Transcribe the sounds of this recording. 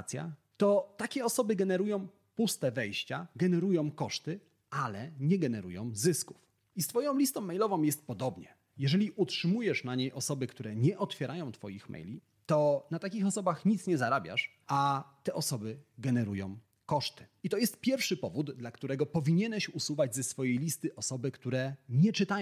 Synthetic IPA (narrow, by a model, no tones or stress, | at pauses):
t̪sʲja̰ | t̪ɔt̪akʲɛɔsɔbɘɡɛnɛɾujɔ̃w̃ | pust̪ɛvɛjɕt͡ɕaɡɛnɛɾujɔ̃w̃kɔʂt̪ɘ | ʔalɛɲɛɡɛnɛɾujɔ̰̃w̃zɘsku̥f | ist̪fɔjɔ̃w̃lʲist̪ɔ̃w̃mːɛjlɔvɔ̃w̃jɛst̪̚pɔd̪ɔbɲɛ̰ | jɛʐɛlʲiʔutʂɘmujɛʂnaɲejʔɔsɔbɘkt̪uɾɛɲɛʔɔt̪fʲɛɾʔajɔ̃w̃t̪fɔ̰jixmɛ̰jlʲi | t̪ɔnat̪akʲixɔsɔbaxɲit̪sɲɛzaɾabʲja̰ʂ | at̪ɛʔɔsɔbɘɡɛnɛɾujɔ̃w̃ | kɔʂt̪ɘ̥it̪ɔjɛst̪̚pʲjɛɾfʂɘpɔvud̪d̪lakt̪uɾɛɡɔpɔvʲiɲɛnɛɕusuvad͡ʑzɛsfɔjejlʲist̪ɘʔɔsɔbɘkt̪uɾɛɲɛt͡ʂɘt̪aj